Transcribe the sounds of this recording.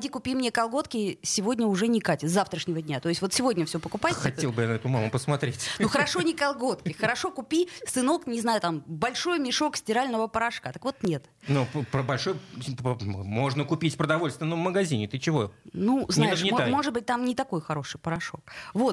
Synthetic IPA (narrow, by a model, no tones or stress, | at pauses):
dʲikʊpʲimnʲekɐlˠɡo̞t̪kʲɪsʲɪvo̞dʲnʲəʊʐɛnʲɪkatʲɪzaft̪ɾəʂnʲɪvədʲnʲat̪o̞ɪstʲvo̞t̪sʲɪvo̞dʲnʲəfsʲopəkʊpaɐt̪ʲelˠbɨjanɐɛt̪ʊmamʊpəsmɐt̪ɾʲetʲnuxəɾɐʂo̞nʲɪkɐlˠɡo̞t̪kʲɪxəɾɐʂo̞kʊpʲisɨno̞knʲɪznajʊt̪ambɐlʲʂo̞jmʲɪʂo̞ksʲtʲɪɾalʲnəvəpəɾɐʂkat̪əkvo̞t̪nʲet̪ | nuppəbɐlʲʂo̞jpmo̞ʐnəkʊpʲitʲpɾəd̪ɐvo̞lʲst̪vʲɪnːəmːəɡɐzʲinʲɪt̪ɨt͡ɕɪvo̞nuznajɪɪmamo̞ʐɨd̪̚bɨt̚ʲt̪amnʲɪt̪ɐko̞jxɐɾo̞ʂɨjpəɾɐʂo̞̰kvo̞t̪